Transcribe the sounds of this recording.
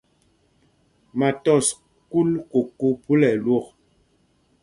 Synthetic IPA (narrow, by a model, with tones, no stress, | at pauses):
ma˨tɔ˦˨s | ku˦lko˨ku˦pu˦lɛ˨lwo˦˨k